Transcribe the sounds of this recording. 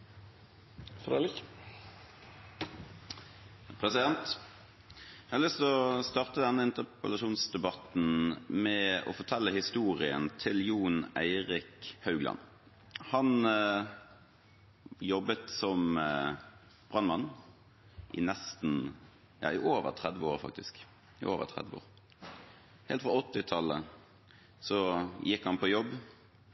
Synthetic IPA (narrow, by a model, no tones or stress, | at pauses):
fɾɛlɪk | pʰʁɛsɪd̪ɛnt̪ | æhɑlʏst̪ɔst̪ɑʁt̪əd̪ɛnːəɪnt̪əpəlɑʃuːnsd̪ɛbɑt̪n̩mɛɔ̰fɔt̪ʰɛlːəhɪst̪uːʁɪə̰nt̪ʰɪljuːnæɪʁɪkhɑʉɡlɑ̰n | hɑn | jɔbːət̪sɔm | b̥ʁɑnmɑn | ʔɪ̰nɛst̪n̩ | jɑ̰ːɪʔoːʋə̰ʁt̪ʰʁɛd̪ʋəoːɾfɑ̰k̚t̪ɪsk | ɪ̰ʔoːʋə̰ʁt̪ʰʁɛ̰d̪ʋəo̰ːʁ | hɛːlt̪fɾʁɑɔt̪ːɪt̪ʰɑlːə | sɔjɪkhɑnpʰɔjɔbː